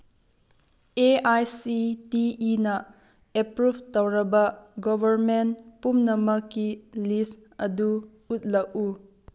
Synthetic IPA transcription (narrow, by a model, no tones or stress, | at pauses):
eajsitiːnɐ | epɾubʱtowɾɐbɐɡɔbʱɐɾmentpumnɐmɐkːilis | ɐdu | ut̚lɐk̚u